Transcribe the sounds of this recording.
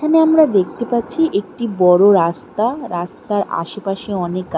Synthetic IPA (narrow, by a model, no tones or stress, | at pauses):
aneamɾad̪ek̚ʰt̪epatːɕʰiʔek̚ʈibɔɾoɾast̪aɾast̪aɾa̰ʃepaʃeɔnekːa